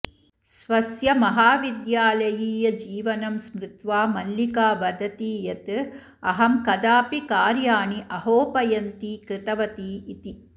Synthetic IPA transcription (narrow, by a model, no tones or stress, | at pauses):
sʋɐsjɐmɐɦaːʋid̪jaːlɐjiːjɐd͡ʒiːʋɐnɐmsmɾut̪ʋaːmɐlːikaːbɐd̪ʱɐt̪iːjɐt̪ | ɐɦɐmkɐd̪aːpikaːɾjaːɳiʔɐɦoːpɐjɐnt̪ikɾɪt̪ɐʋɐt̪iːit̪i